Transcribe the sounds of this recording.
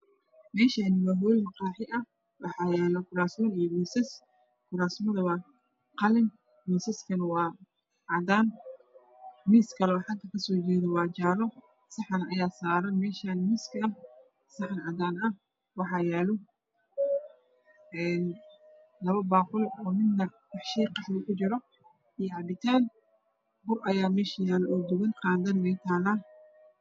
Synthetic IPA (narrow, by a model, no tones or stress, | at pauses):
mɛːʃaːnɪwaːɦɔːlmɐqɑːħɪʔɐ | wɑħɑːjɛːlɐkʰʊɾaːsɔnijɔwiːsɐs | kʰʊɾaːsmɐðɐwaː | qɑlɪn | misɐskʰɐnɐwɑː | ʕɑd̪aːn | miːskʰɐlɛɔːħɑŋk̪ʰɐkʰɐsɔːt͡ʃɛːðɛwɑːt͡ʃaːɾɔ | sɐħɐnʔɐjaːsaːɾɐnmɛːʃaːnmiːskʰɐɐ | sɑħnʕɑd̪aːnɐ | wɑħɑjaːlɔ | ʔɛːn | lɐβɐbaːqʊlɔːmɪd̪nɐ | qɑħʃijqɑħlɪkʰʊt͡ʃɪɾɔ | ijʕɑbɪt̪ʰaːn | bʊrʔɐjaːmɛːʃɐjaːlɔɔːd̪ʊɣɐnqɑːnd̪ɐnmɛːt̪ʰaːlɐ